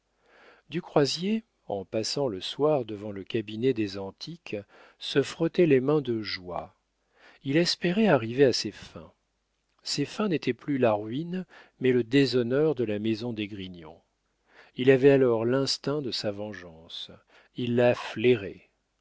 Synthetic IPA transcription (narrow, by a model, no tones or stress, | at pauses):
d̪ykχwazje | ɑ̃pasɑ̃ləswaʁd̪əvɑ̃ləkʲabinɛd̪ezɑ̃t̪ʰik | səfχɔt̪ɛlemɛ̃d̪əʒwa | ilɛspeʁɛaʁiveasefɛ̰̃ | sefɛ̃net̪ʰɛplylaʁɥinmɛləd̪ezɔnœʁd̪əlamezɔ̃d̪eɡʁiɲɔ̰̃ | ilavɛalɔʁlɛ̃st̪ɛ̃d̪əsavɑ̃ʒɑ̃s | ilːafleʁɛ